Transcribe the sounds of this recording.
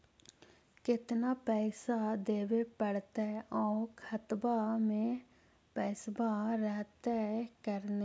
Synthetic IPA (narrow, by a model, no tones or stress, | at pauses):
kɪt̪naːpɛːsad̪eːʋeːpəɽt̪ɛːʔɔːkʰət̪bamẽː | pɛsbaɾɛɦt̪ɛːkəɾneː